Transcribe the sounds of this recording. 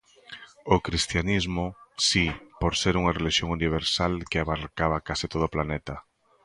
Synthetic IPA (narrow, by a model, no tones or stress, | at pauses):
okɾist̪janizmosipoɾseɾuŋareliʃjoŋuniβ̞eɾsalkeaβaɾkaβakasit̪oðoplanet̪a